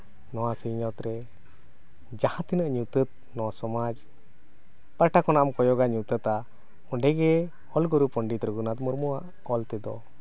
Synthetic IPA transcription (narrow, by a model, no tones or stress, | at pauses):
nɔwasiɲɔt̪ɾɛ | d͡ʒahãt̪inəʔɲut̪ət̪̚nɔwasɔmad͡ʒ | paʈakɔnaʔamkɔjɔɡaɲut̪ət̪a | ɔɳɖɛɡɛ | hɔlɡɔɾupɔɳɖit̪ɾəɡunat̪mɔɾmuaʔ | ɔlt̪ɛd̪ɔ̰